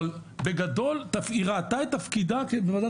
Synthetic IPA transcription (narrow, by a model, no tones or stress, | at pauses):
lbe̞ɡad̪o̞lt̪afiʁat̪aet̪ːafkid̪akebevada